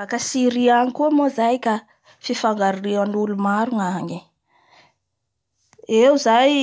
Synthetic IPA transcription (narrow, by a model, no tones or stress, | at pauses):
akasiɾiaɲikumozajka | fifaŋɡaɾriwanulumaɾuŋaɲi | ewzaj